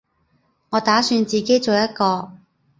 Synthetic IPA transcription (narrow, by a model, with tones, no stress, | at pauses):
ŋɔː˨˧t̪aː˨˥syː˧nt͡siː˨ke˨˥jt͡so˨wjɐ˥t̚kɔː˧